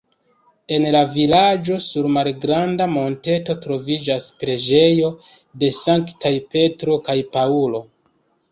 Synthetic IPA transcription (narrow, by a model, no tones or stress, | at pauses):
e̞nlavilad͡ʒo̞suɾmalɡɾandamo̞nte̞to̞tɾo̞vid͡ʒaspɾe̞d͡ʒe̞jo̞ | de̞saŋktajpe̞tɾo̞kajpaulo̞